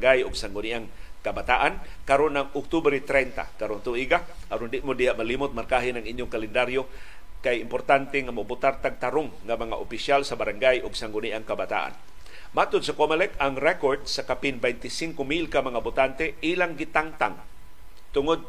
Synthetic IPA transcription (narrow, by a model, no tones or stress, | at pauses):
ŋɡajʊɡsaŋɡʊniʔaŋkabat̪aʔankaɾonːaŋʊk̚t̪ubɾit̪ɾɛnt̪a̰kaɾont̪uʔiɡa | ʔaɾʊnd̪ɪʔmod̪ijaʔmalimʊt̪̚markaɦɪnaŋʔiɲjʊŋkalɛnd̪aɾjo | kajɪmpoɾt̪ant̪ɛŋamobʊt̪art̪aɡ̚t̪aɾʊŋːamaŋa̰ʔʊpiʃjalsabaɾaŋɡajʊɡsaŋɡʊniʔaŋkabat̪a̰ʔa̰n | mat̪ʊd̪̚sakomɛlɛkaŋɾɛkoɾd̪̚sakapinbɛjnt̪ɪsiŋkomilkamaŋabʊt̪ant̪ɛʔilaŋɡit̪aŋt̪a̰ŋ | t̪ʊŋʊd̪̚